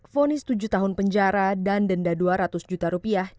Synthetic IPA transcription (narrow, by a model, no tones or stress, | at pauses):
fonɪst̪ud͡ʒuht̪aɦʊnpəɲd͡ʒaɾadandəndaduaɾat̪ʊsd͡ʒut̪aɾupiah